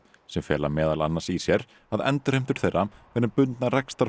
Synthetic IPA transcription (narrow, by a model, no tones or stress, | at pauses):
sɛmfjɛ̰ːlamɛːðala̰nːasisjɛɾ | aðɛ̰nt̪ʏɾ̥ejm̥t̪ʏɾ̥θejrːavɛɾnɪpʏnt̪narɛkst̪aɾ